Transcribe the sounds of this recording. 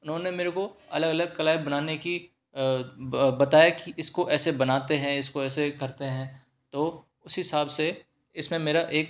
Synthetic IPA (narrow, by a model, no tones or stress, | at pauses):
ʊnɦõːnemeːɾekoɐ̰ləɡɐləɡ̚kɐlaːibɐnaːneki | bɐt̪aːjakiʔɪskoʔɛːsebɐnaːt̪eɦɛ̃ɪskoɛːsekɐɾt̪eɦɛ̃ː | t̪oː | ʊsɦɪsaːbse | ɪsmẽmeːɾaʔeːk̚